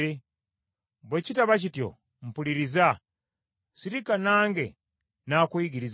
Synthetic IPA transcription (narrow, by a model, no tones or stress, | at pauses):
e | bwecitaβacitjo̰ | m̩puliɾiza | siɾikanaːŋɡe | naːkwiːɡiɾiz